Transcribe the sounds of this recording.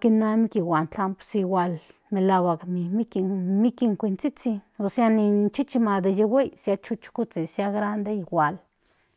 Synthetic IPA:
kinamikiwʷant̪ampsiwʷal | melawaɡmimikimikiŋkʷint͡sit͡siosjanint͡ʃit͡ʃimad̪ajawejsjat͡ʃut͡ʃkut͡sisjaɡɾand̪ejwʷal

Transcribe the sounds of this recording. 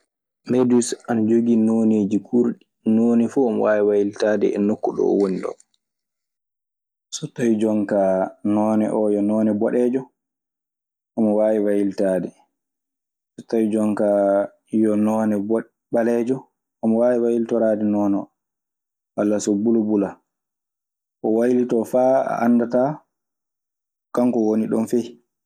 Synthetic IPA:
mɛdusanad͡ʒoɡinoneːd͡ʒikʰuɾɗi | nonifuamwaːwiwajiltaːdɛɛnokːuɗɔ̰ɔ̰woniɗɔ̰ | sɔtːawid͡ʒɔŋkanɔːnɛ̰ʔɔjɔnɔːnɛbɔɗɛːd͡ʒɔ | ʔamɔwaːwiwajiltaːdɛ | sutːawid͡ʒɔŋka | jɔnɔːnɛbɔ | ɓalɛːd͡ʒɔ | ʔamɔwaːwiwajiltɔɾaːdɛnɔːnɛ | kalːasɔbulubula | kɔwajilitɔfaːa̰ʔa̰nːdata | kaŋkɔwoniɗɔnfij

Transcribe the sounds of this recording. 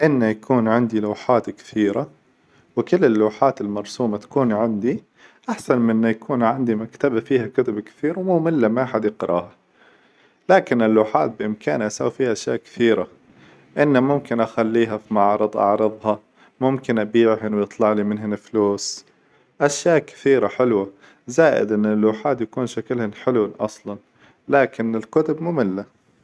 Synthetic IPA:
ʔɪnːajakʰuːnʕɪnd̪iluːħaːt̪kɪ̥θiːɾa | wɪkʊlːɪlːuːħaːt̪ɪlmɑɾˤsuːmat̪ḁkuːnʕɪnd̪i | ʔaħsanmɪnːajakʰuːnʕɪnd̪imakt̪abafiːhakʊt̪abkɪ̥θiːɾwmuːmɪlːamaħad̪jɪqɾʔɑ̰ːha | laːkɪnɪlːuːħaːt̪̚bɪʔɪmkʰaːnʔasawfiːhaʔaʃjaːʔkɪ̥θiːɾa | ʔɪnːamʊmkɪnʔaxalːiːɦafimɑʕɾɨd̪ˤʔɑ̰ʕɾɨðˤhɑ | mʊmkɪnʔabiːʕhɪnwjɨt̪ˤlɑʕlimɪnɦɪnɪfluːs | ʔaʃjaːʔkɪ̥θiːɾaħɪlwa | zaːʔɪ̰d̪ʔɪnːɪlːuːħaːt̪jakuːnʃaklhɪnħɪlwaʔɑ̰sˤlɑn | laːkɪnɪlkʊt̪ʊbmuːmɪlːa

